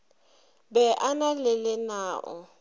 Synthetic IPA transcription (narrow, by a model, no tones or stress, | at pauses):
bɛʔanalɪlɪnaːʔʊ̰